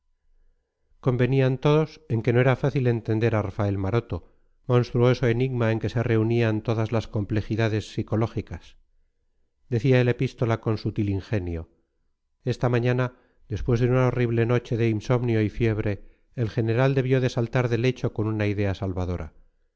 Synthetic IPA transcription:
ko̞mbe̞niant̪o̞ðo̞se̞ŋke̞no̞eɾafaθile̞nt̪e̞nd̪e̞ɾarafae̞lmaɾo̞t̪o̞ | mõ̞nst̪ɾuo̞so̞e̞niɣmae̞ŋke̞se̞re̞uniant̪o̞ðazlasko̞mple̞xiðaðe̞sːiko̞lo̞xikas | d̪e̞θiae̞le̞pist̪o̞lako̞nsut̪iliŋxe̞njo̞ | e̞st̪amaɲana | ðe̞spwe̞zðeunaoriβ̞le̞no̞t͡ʃe̞ðe̞inso̞mnjo̞ifje̞β̞ɾe̞ː | lxe̞ne̞ɾald̪e̞βjo̞ðe̞salt̪aɾðe̞le̞t͡ʃo̞ko̞nunaiðe̞asalβaðo̞ɾʔa̰

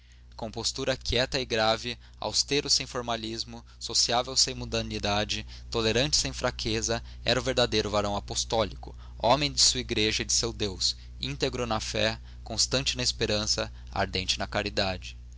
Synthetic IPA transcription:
kõpost̪uɾɐkjɛt̪ɐɪɡɾavɪ | a̰wst̪eɾʊsẽj̃foɾmalizmʊ | sosiavewsẽj̃mũd̪ɐnid̪ad͡ʒɪ | t̪oleɾɐ̃nt͡ʃɪ̥sẽj̃fɾakʰezɐ | ɛ̰ɾɐʊveɾd̪ad̪ejɾʊvaɾɐ̃w̃apost̪ɔlikʊ | ɔ̃mẽj̃d͡ʒ̪ɪsuiɡɾeʒɐɪd͡ʒɪsewd̪ews | ḭ̃nt̪eɡɾʊnɐfɛ | kõst̪ɐ̃nt͡ʃɪnɐɪspeɾɐ̃sɐ | a̰ɾd̪ẽnt͡ʃɪnɐkaɾid̪ad͡ʒɪ

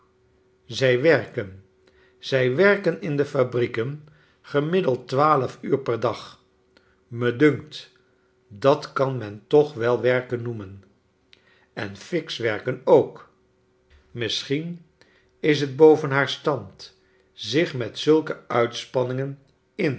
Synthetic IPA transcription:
zɛjʋɛɹkən | z̥ɛjʋɛɹkənɪndəfabrikən | χəmɪdəlˠtʋaːləfyːɹpɛɹdɑχ | mədɵŋkt | dɑtkɑnmɛntɔχʋɛlˠʋɛɹkənːumən | ɛ̰nfɪksʋɛɹkənowk | mɪsχin | ɪs̬ɦəd̚bowvənɦaːɹstɑnt | zɪχmɛtsɵlˠkəœɥtspɑnɪŋən | ɪn

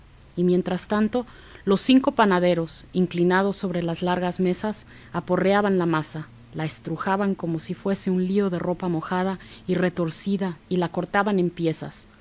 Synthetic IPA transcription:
imje̞nt̪ɾast̪ant̪o̞ | lo̞sːiŋko̞panaðe̞ɾo̞siŋklinað̞o̞sːo̞βɾe̞lazlaɾɣazme̞sas | apo̞reaβanlamasa | laest̪ɾuxaβaŋko̞mo̞sifwe̞se̞unlio̞ðe̞ro̞pamo̞xað̞aire̞t̪o̞ɾsiðailako̞ɾt̪aβane̞mpje̞sa̰s

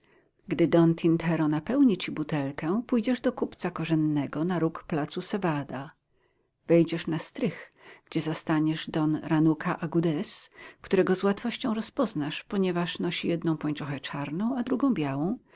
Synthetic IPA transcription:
ɡd̪ɘd̪ɔnt̪ʲʰint̪ʰɛɾɔnapɛwɲit͡ɕibut̪ɛlkɛpujd͡ʑɛʐd̪ɔkupt̪sakɔʐɛnːɛɡɔnaɾukplat̪susɛvad̪a | vɛjd͡ʑɛʂnast̪ɾɘx | ɡ̥d͡ʑɛzast̪aɲɛʐd̪ɔnɾanukʰaʔaɡud̪ɛskt̪uɾɛɡɔzwat̪fɔɕt͡ɕɔ̃w̃ɾɔspɔznaʂpɔɲɛvaʂnɔɕijɛd̪nɔ̃w̃pɔɲt͡ʂɔxɛt͡ʂaɾnɔ̃w̃ad̪ɾuɡɔ̃w̃bʲjawɔ̃w̃

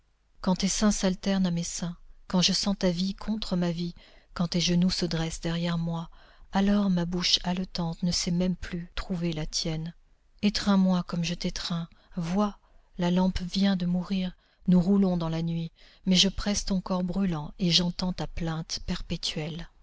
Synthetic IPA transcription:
kɑ̃t̪esɛ̃salt̪ɛʁnamesɛ̃kɑ̃ʒəsɑ̃t̪avikʰɔ̃t̪χəmavikɑ̃t̪eʒənusəd̪ʁɛsd̪ɛʁjɛʁmwaalɔʁmabuʃalət̪ɑ̃t̪nəsɛmɛmplyt̪χuvelat̪jɛn | et̪χɛ̃mwakɔmʒət̪et̪χɛ̃vwa | lalɑ̃pvjɛ̃d̪əmuʁiʁ | nuʁulɔ̃d̪ɑ̃lanɥi | mɛʒəpχɛst̪ɔ̃kɔʁbʁylɑ̃eʒɑ̃t̪ɑ̃t̪aplɛ̃t̪pɛʁpet̪ɥɛl

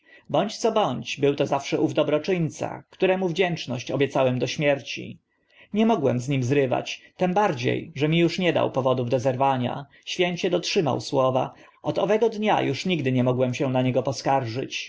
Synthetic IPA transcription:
bɔɲt͡ɕt̪sɔbɔɲt͡ɕbɘwt̪ɔzafʂɛʔuvd̪ɔbɾɔt͡ʂɘɲʲt̪sa̰kt̪uɾɛmuvd͡ʑɛnt͡ʂnɔɕt͡ɕɔbʲjɛt̪sawɛmd̪ɔɕmʲjɛɾt͡ɕḭ | ɲɛmɔɡwɛmzɲimzɾɘva̰t͡ɕt̪ɛmbaɾd͡ʑḛjʐɛmʲijuʂɲɛd̪a̰wpɔvɔd̪uvd̪ɔzɛɾvaɲa̰ | ɕfʲjɛɲt͡ɕɛd̪ɔtʂɘma̰wswɔva̰ | ɔd̪ɔvɛɡɔd̪ɲa̰juʂɲiɡd̪ɘɲɛmɔɡwɛmɕɛnaɲɛɡɔpɔskaɾʐɘt͡ɕ

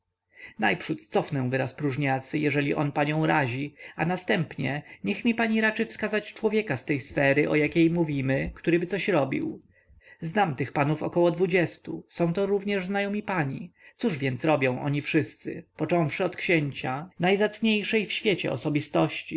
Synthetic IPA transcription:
najpʂut̪t̪sɔfnɛ̃w̃vɘɾaspɾuʐɲat̪sɘjɛʐɛlʲiʔɔnpaɲɔ̃w̃ɾaʑianast̪ɛmpɲɛɲɛxmʲipaɲiɾat͡ʂɘfskazat͡ɕt͡ʂwɔvʲjɛkast̪ɛjsfɛɾɘʔɔ̰jakʲejmuvʲimɘkt̪uɾɘbɘt̪sɔɕɾɔbʲḭw | znamt̪ɘxpanufɔkɔwɔd̪vud͡ʑɛst̪usɔ̃w̃t̪ɔɾuvɲɛʐznajɔmʲipaɲit̪suʐvʲjɛnt̪sɾɔbʲjɔ̃w̃ʔɔ̰ɲifʂɘst̪sɘ̰pɔt͡ʂɔ̃w̃fʂɘɔt̪kɕeɲt͡ɕanajzat̪sɲejʂɛjfɕfʲjet͡ɕɛ̰ɔ̰sɔbʲist̪ɔɕt͡ɕi

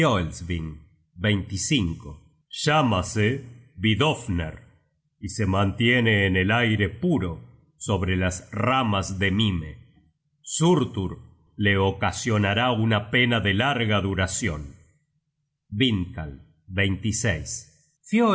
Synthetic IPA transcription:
olsβiŋ | bejnt̪isiŋko | ʒamaseβiðofnḛɾ | isemãnt̪jeneːnelajɾepuɾo | so̞βɾelasramazðemime | suɾt̪uɾ | leokasjo̞naɾaunapenaðelaɾɣaðuɾasjon | biŋka̰l | bejnt̪isejs | fjo

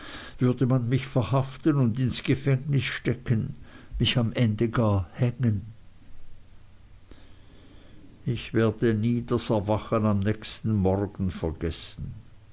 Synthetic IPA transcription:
v̥ʏɐdəmanmɪçfɛɐhaftənʊndɪnsɡ̥əfɛŋnɪsʃtɛkənmɪçamʔɛndəɡaːɐhɛŋən | ɪçv̥eːɐdəniːdasɛɐvaχənamnɛːçstn̩mɔrɡ̥n̩fɛɐɡɛsn̩

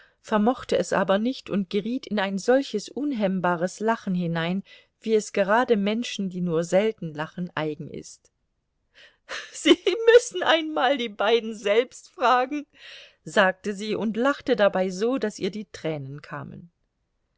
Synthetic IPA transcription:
fɛɐmɔχtəɛsʔa̰ːbɐnɪçtʊntɡ̥əʁiːtʰɪnaɪnzɔlçəsʔʊnɦɛmbaːʁ̞əslaχn̩ɦɪnaɪn | v̥iːɛsɡ̥əʁaːdəmɛnʃn̩diːnuːɐzɛltn̩laχən̩ʔa̰ɪɡŋ̩ʔɪ̰st | z̥iːmʏsn̩ʔaɪnmaːldiːbaɪdn̩zɛlpstfʁ̥aːɡŋ̩ | zaːk̚təziːʔʊntlaχtədabaɪzoːdasʔiːɐdiːtʁ̥ɛːnənkʰa̰ːmə̰n

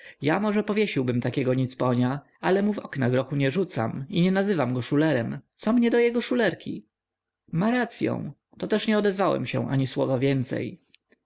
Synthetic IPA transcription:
jamɔʐɛpɔvʲjeɕiwbɘmt̪akʲɛɡɔɲit̪spɔɲa | alɛmuvɔknaɡɾɔxuɲɛʐut̪sa̰miɲɛnazɘvamɡɔʂulɛɾɛmt̪sɔmɲɛd̪ɔjɛɡɔʂulɛɾkʲḭ | maɾat̪sʲjɔ̰̃w̃ | t̪ɔt̪ɛʂɲɛɔd̪ɛzvawɛ̰mɕɛ̰̃ʔa̰ɲiswɔ̰vavʲjɛnt̪sɛ̰j

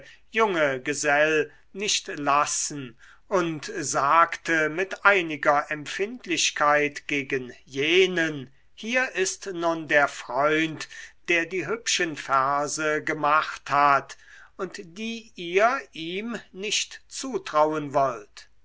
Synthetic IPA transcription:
jʊŋəɡəzɛl | nɪʃtlasn̩ | ʔʊntzaːktəmɪtʔaɪnɪɡɐʔɛmpfɪntlɪɕkʰaɪtɡ̥eːɡənjeːnən | hiːɐʔɪstnundeːɐfʁ̥ɔʏntd̥eːɐdiːɦʏpʃənfɛɐzəɡəmaχthatʊntd̥iːʔiːɐʔiːmnɪʃtt͡suːtʁ̥awənvɔlt

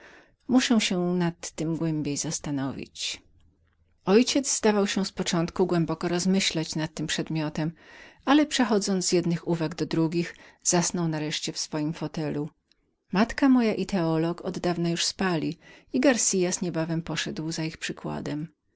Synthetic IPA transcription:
muʂɛw̃ɕɛnat̪ːɘmɡwɛmbʲjejzast̪anɔvʲḭt͡ɕ | ɔjt͡ɕɛd̪zzd̪avawɕɛspɔt͡ʂɔ̃nt̪kuɡwɛmbɔkɔɾɔzmɘɕlat͡ɕnat̪̚ːɘmpʂɛd̪mʲjɔt̪ɛmalɛpʂɛxɔd̪zɔnzjɛd̪nɘxuvaɡd̪ɔd̪ɾuɡʲixz̥asnɔwnaɾɛʂt͡ɕɛfsfɔjimfɔt̪ɛlu | mat̪kamɔjaʔit̪ɛɔlɔkɔd̪ːavnajuʂspalʲiiɡaɾsʲijasɲɛbavɛmpɔʂɛd̪wzaixpʂɘkwa̰d̪ɛm

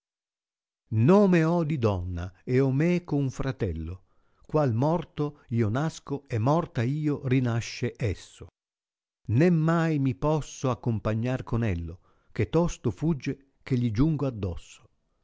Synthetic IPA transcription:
noːmeɔd̪id̪ɔnːaɛɔmɛkouɱfɾat̪ɛlːo | kwalmɔrt̪oiːonaskoɛmːɔrt̪aiːorinaʃːeʔɛsːo | nemːajmipɔsːoakːompaɲːarkonɛlːo | k̟et̪ːɔst̪ofud͡ʒːe | k̟eʎːid͡ʒuŋɡoad̪ːɔsːo̥

